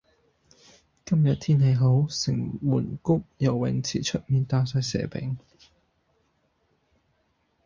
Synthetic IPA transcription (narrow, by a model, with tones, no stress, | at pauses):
kɐ˥mjɐ˨t̚t̪ʰiː˥nhe˨˧jɦo˨˥wsɪ˨˩ŋmuː˨˩nkʊ˥k̚jɐ˨˩wːɪ˨˥ŋt͡sʰiː˨˩t͡ʃʰɵ˥t̚miː˨nt̪aː˧sɐː˨˧jsɛ̰ː˨˩pɪ̰˨˥ŋ